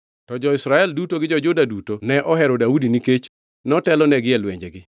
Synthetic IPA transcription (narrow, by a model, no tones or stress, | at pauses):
tɔd͡ʒɔɪsɾaɛldutoɡɪd͡ʒɔd͡ʒʊdadutonɛʔɔɦɛɾɔdaudiniket͡ʃ | nɛɔtɛlɔnɛɡɪɛlwḛɲd͡ʒeɡɪ